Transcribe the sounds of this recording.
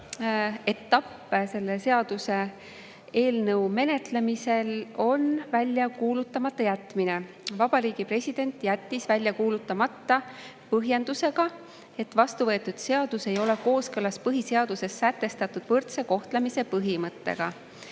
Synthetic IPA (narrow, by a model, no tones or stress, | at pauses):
e̞t̪ːɑpː | se̞lːese̞ɑd̪̥use̞ | eːlnɤwme̞ne̞t̪le̞mise̞lo̞nvælʲːjɑkuːlut̪ːˑɑmɑt̪ːˑɑjæt̪ːˑmine̞ | vɑb̥ɑɾiːɡ̥ipre̞sʲid̪̥e̞nt̪ˑjæt̪ːisvælʲjɑkuːlut̪ːˑɑmɑt̪ːɑ | pɤɦje̞nd̪̥use̞ɡ̥ɑ | e̞t̪ːvɑst̪uvɤ̞et̪ːˑud̪̥se̞ɑd̪̥use̞jo̞le̞ko̞ːskɤlɑspɤɦise̞ɑd̪̥use̞sːæt̪ːˑe̞st̪ɑt̪ːˑud̪̥vɤrt̪se̞ko̞ht̪lemise̞pɤɦimɤt̪ːe̞̰ɡ̥ɑ